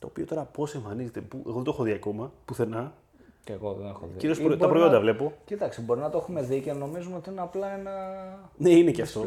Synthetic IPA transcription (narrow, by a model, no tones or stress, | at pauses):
t̪o̞̰ːpiɐt̪o̞ɾɐpo̞se̞ɱfɐnize̞t̪epueɣoðent̪oexoðiɐko̞mɐpuθe̞nɐ | eɣoðenexo̰ðiciɾiospɾot̪ɐpɾojo̞nd̪ɐvle̞po̞cit̪ɐksibo̞ɾinɐt̪oexume̞ðiceno̞mizumeot̪iineɐplɐe̞nɐneineceɐft̪o̞